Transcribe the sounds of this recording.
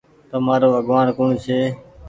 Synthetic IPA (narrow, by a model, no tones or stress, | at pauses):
t̪əmaːɾoːəɠʋaːnkuːɳt͡ʃʰeː